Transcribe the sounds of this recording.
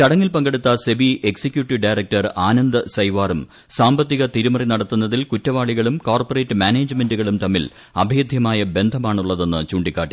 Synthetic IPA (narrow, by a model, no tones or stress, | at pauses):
t̪ɐɽɐŋːilpɐŋɡeɽut̪ːɐsebiʔeksikʲjuːʈːiʋɖɐjrek̚tɐraːnɐnd̪ɨsɐjʋaːrum | saːmbɐt̪ːiɣɐt̪iɾumɐrinɐɽɐt̪ːunːɐðilkutːɐʋaːɭiɣɐɭumkoːrpɐre̞ːtːɨmaːneːd͡ʑme̞nduɣɐɭumt̪ɐmːil | ɐbʱeːd̪ʱjɐmaːjɐbe̞nd̪ʱɐmaːɳuɭːɐðe̞nːɨt͡ɕuːɳɖikːaːʈːi